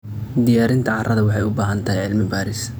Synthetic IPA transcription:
d̪ɪjaːɾɪnt̪ʰɐʕɑrɐðɐwɑħɑjʊbaːɦɐnt̪ʰɐɦɛjʕɪlmɪbaːɾɪs

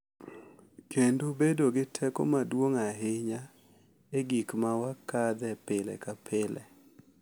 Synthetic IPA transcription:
kʰendobedoɡɪtʰɛko̰madwoŋaɦɪɲa | eɡikmawakad̪ɛpɪlɛ̰kapʰɪlʔɛ̰

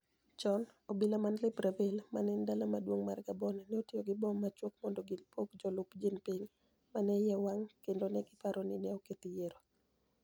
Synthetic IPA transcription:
t͡ʃɔnobɪlamanlɪpɾavelmanɛndalamadwoŋmarɡabɔnɛnɛotioɡɪbɔmːat͡ʃwokmɔndɔɡɪlpokd͡ʒɔlʊpd͡ʒinpiɲ | manɛjɛwaŋkendonɛɡɪpaɾɔnɪnɛoket̪ijeɾo

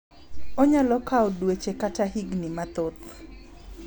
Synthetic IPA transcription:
oɲalɔkaɔdwet͡ʃekataɦiɡnimat̪ot̪

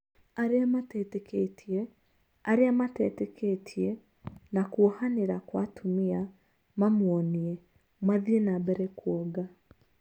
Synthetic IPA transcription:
aɾeamatɛtɛkɛtʰiɛ | aɾeamatɛtɛkɛtʰiɛ | nakuohaneɾakwatʰumia | mamwɔniɛ | mwaðienabɛɾɛkwɔɡa

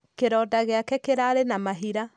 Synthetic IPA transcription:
keɾɔːdaɣeakɛkeɾaɾenamaɦiɾa

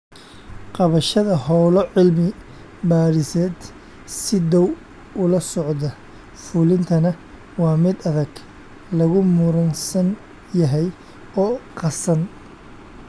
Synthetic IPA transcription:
qɑβɐʃɐðɐhɔwlɔʕɪlmɪ | baːɾɪsɛːd̪ | sɪd̪ɔw | ʊlɐsɔʕd̪ɐ | fʊlɪnt̪ʰɐnɐ | wɑːmɪd̪ɐðɐɡ | lɐɣʊmʊɾɐnsɐn | jɐɦɛj | ɔːqɑsɐn

